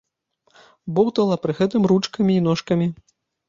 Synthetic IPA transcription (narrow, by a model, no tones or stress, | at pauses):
bɔwt̪ɐlˠɐpɾɨɣɛt̪ɨmɾut͡ʂkɐmʲiːn̪ɔʂkɐmʲi